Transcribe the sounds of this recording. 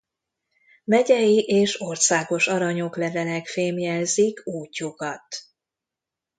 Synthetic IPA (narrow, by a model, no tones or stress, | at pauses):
mɛɟɛjiʔeːʃo̞rsaːɡo̞ʃɒɾɒɲo̞klɛvɛlɛkfeːmjɛlzikuːcːukɒt̪